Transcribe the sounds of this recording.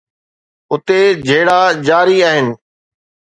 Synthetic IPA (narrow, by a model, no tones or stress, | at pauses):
ʊt̪ed͡ʑʱeːɽad͡ʑaːɾiaːɦɪnɪ̆